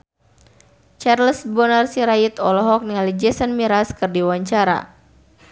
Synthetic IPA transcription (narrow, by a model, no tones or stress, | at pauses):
t͡ʃarləsbɔnarsiɾait̪ɔlɔɦɔk̚niŋalid͡ʒɛsənmiɾaskɨrdiwaɲt͡ʃaɾa̰